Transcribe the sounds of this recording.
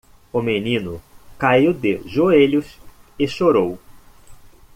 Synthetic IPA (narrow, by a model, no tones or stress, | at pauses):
ʊmenĩnʊkaiwd̪ɪʒoeʎʊsɪʃoɾow